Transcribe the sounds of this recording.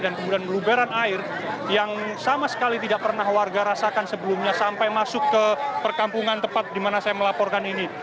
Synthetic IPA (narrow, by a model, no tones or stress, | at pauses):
dankəmudianlubaɾanaɪr | jaŋsamasə̥kalit̪idaʔpərnahwarɡaɾasakansəbəlumɲasampajmasʊkːəpərkampuŋant̪əpat̪̚dimanasajaməlapɔrkanini